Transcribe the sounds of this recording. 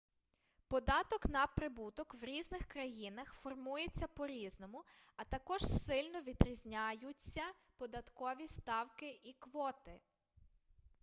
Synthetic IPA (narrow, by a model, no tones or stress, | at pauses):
pɔd̪ɑt̪ɔknɐpɾɪbut̪ɔkwɾʲiznɪxkɾɐjinɐxfɔrmujet͡sʲːɐpɔɾʲiznɔmʊɐt̪ɐkɔʒ̥sɪlʲnɔʋʲid̪ɾʲizʲnʲajʊt͡sʲːɐ | pɔd̪ɐt̪kɔʋʲist̪ɑwkɪʔikʋɔt̪ɪ